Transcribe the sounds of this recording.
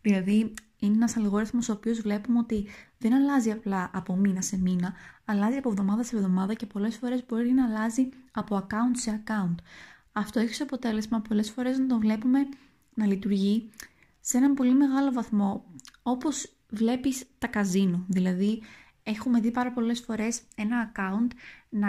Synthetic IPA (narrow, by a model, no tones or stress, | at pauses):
ðilɐði | ineenɐsɐlɣo̞ɾiθmosoːpio̞zvle̞pumeo̞t̪iðe̞nɐlɐziɐplɐʔɐpo̞minɐse̞minɐːlɐziɐpovðo̞mɐðɐse̞vðo̞mɐðɐce̞po̞le̞sfo̞ɾe̞zbo̞ɾinɐːlɐziɐpo̞ɐkɐunt̪seɐkɐunt̪ | ɐft̪o̞e̞çi̥soɐpo̞t̪e̞le̞zmɐpo̞le̞sfo̞ɾe̞znɐt̪o̞vle̞pume̞ | nɐlit̪uɾʝi | se̞nɐmpo̞lime̞ɣɐlo̞vɐθmo̞o̞po̞z | vle̞pist̪ɐkɐzinoðilɐði | e̞xume̞ðipɐɾɐpo̞le̞sfo̞ɾe̞se̞nɐːkɐunt̪nɐ